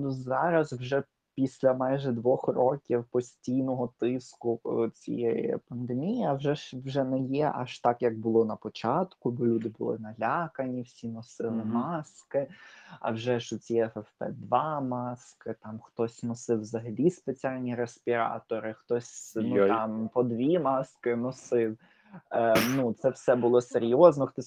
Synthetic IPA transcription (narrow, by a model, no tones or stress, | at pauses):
nuzɑɾɐzwʒɛ | pʲisʲlʲɐmɑjʒɛd̪ʋɔxrɔkʲiwpɔsʲtʲijnɔɦɔt̪ɪskʊt͡sʲḭjɛjɛ̰pɐnd̪emʲijiɐwʒɛʃwʒɛnɛjɛʔɑ̰ʃt̪ɑkjɐɡ̚bʊlˠɔnɐpɔt͡ʃɑt̪kʊbɔlʲud̪ɪbʊ̰lˠɪ̰nɐlʲaɑkɐnʲiwsʲinɔsɪlˠɪmɑskɪɐ̰wʒɛʃɔt͡sʲiɛɛfɛfpɛ̰d̪ʋɑmɑskɪt̪ɑmxt̪ɔsʲnɔsɪwzɐɦɐlʲispet͡sʲialʲnʲiɾespʲiɾɑ̰t̪ɔɾɪxt̪ɔsʲnuɑmpɔd̪ʋʲimɑskɪnɔsɪw | nut̪sɛwsɛbʊlˠɔseɾʲjɔznɔxt̪ɔ